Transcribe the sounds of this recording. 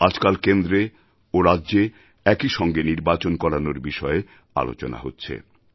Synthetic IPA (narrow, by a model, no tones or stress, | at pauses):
ad͡ʑkalkend̪ɾe | oɾadːʑe | ɛkiʃɔŋɡeniɾbat͡ɕonkɔɾanoɾbiʃɔe | a̰lo̰t͡ɕona̰ɦotːɕʰḛ